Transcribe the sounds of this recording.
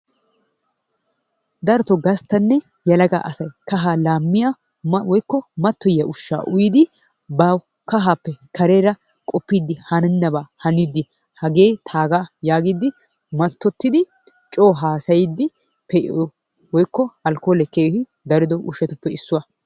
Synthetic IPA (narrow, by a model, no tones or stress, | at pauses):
d̪ɐɾt̪ɔɡɐst̪ːɐnːɛ | jɐlɐɡa̰ːʔɐsɐjkɐɦaːlaːmːɪjaː | wɔjkːɔmɐt̪ːɔjːɐʔʊʃːa̰ːʔʊjɪd̪ɪ | bɐ | kɐɦaːpːɛkʰɐɾeːɾɐ | kʼɔpːiːd̪ːɪhɐnɛnːɐbaːhɐniːd̪ɪ | hɐɡe̞ːt̪ʰaːɡajaːɡiːd̪ɪ | mɐt̪ːɔt̪ːɪd̪ɪ | t͡ʃʼoːɦaːsɐjɪd̪ːɪ | pɛʔ | wɔjkːɔɐlkoːlɛkeːhɪ | d̪ɐɾɪd̪ɔʔʊʃːɛt̪ʊpːɛɪsːʊwɐ